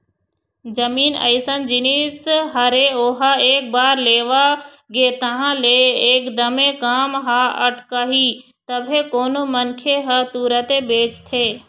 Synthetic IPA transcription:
d͡ʒɐmiːnə̰ɪsənd͡ʒɪnisɦɐɾeoːɦaeːk̚baːɾleːʋa | ɡeːt̪ɐɦãleeːkd̪əmekaːmɦaɐʈkaːɦiː | t̪ɐbʱekoːnomɐnkʰeɦət̪uːɾət̪ebeːt͡ʃt̪ʰeː

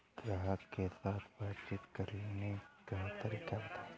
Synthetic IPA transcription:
ɡ̥ɾaɦəkkesaːt̪ʰbaːt͡ʃɪt̪kɐɾlenekɐɦãt̪əɾiːkabt̪ʰa

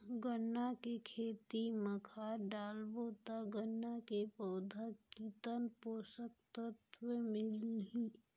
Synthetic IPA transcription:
ɡənːakekʰeːt̪iməkʰaɖaːlboːt̪aɡənːakepəːd̪ʱəit̪ənpoːsək̚t̪ət̪wəmɪlɦi

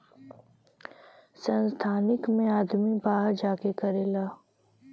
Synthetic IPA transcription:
sə̃nst̪ʰaːnɪkmẽaːd̪mibaːɦɾd͡ʒaːkekɐɾeːlaː

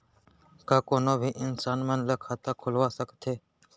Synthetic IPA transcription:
kãːkoːnobʱiːʔɪnsaːnmənləkʰat̪ãːkʰʊlʋasəkt̪ʰeː

